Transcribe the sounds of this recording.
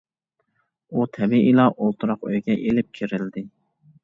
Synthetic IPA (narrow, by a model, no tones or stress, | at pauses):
ut̪ʰɛbiʔilɑʔolˠt̪ʰuɾɑqøjɡʲɛʔelɪp̚kʲʰiɾɪld̪ɪ